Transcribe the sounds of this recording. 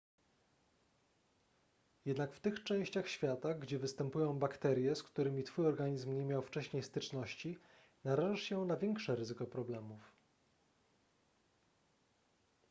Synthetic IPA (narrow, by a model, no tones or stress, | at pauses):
jɛd̪nakft̪ɘxt͡ʂɛ̃w̃ɕt͡ɕaxɕfʲjat̪aɡd͡ʑɛvɘst̪ɛmpujɔ̃w̃bakt̪ɛɾʲjɛskt̪uɾɘmʲit̪fujɔɾɡaɲizmɲemʲjawft͡ʂɛɕɲejst̪ɘt͡ʂnɔɕt͡ɕi | naɾaʐaʂɕɛnavʲjɛŋkʂɛɾɘzɘkɔpɾɔblɛmuf